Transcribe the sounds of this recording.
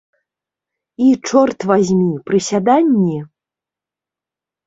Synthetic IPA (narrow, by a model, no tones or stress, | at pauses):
it͡ʂɔrt̪vazʲmʲipɾɨsʲad̪anʲːi